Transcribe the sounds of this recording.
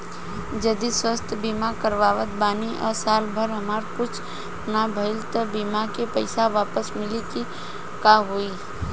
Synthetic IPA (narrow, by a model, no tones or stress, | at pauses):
d͡ʒəd̪iswəst̪ʰbimakəɾʋaːʋət̪̚baːniʔɔ̰ːsaːlbʱəɾɦəmaːɾkʊt͡ʃʰ | ʊnabʱəɪlt̪əbimakepəɪsaʋaːpəsmɪliki | kaɦoi